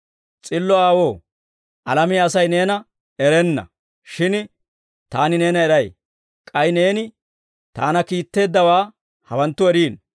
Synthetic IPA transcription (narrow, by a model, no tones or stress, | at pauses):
t͡sʼɪlːɔaːwo̞ː | ʔɐlɐmiːɐsɐjneːnɐ | ɛɾɛnːɐ̰ | ʃɪn | t̪aːnɪne̞ːnɐɛɾɐj | kʼɐjne̞ːnɪ | t̪a̰ːnɐkiːt̪ːe̞ːd̪ːɐwaː | hɐwɐnt̪ːʊɛɾiːn